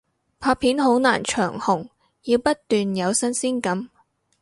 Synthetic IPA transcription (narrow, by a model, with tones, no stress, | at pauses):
pʰaː˧pʰiː˨˥nɦo˨˥wna̰ː˨˩nt͡ʃʰœː˨˩ŋhʊ˨˩ŋ | jiː˨˧wpɐ˥t̚t̪yː˨njɐ˨˧wsɐ˥nsiː˥nkɐ˨˥m